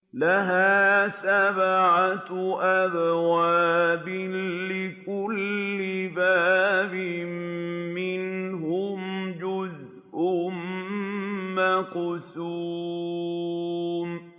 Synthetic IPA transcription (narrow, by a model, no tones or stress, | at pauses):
laɦaːsabʕaʔabwaːbɪlɪkʊlːɪbaːbɪmːɪnɦʊmd͡ʒʊz | ʔʊm | maqʊsuː | m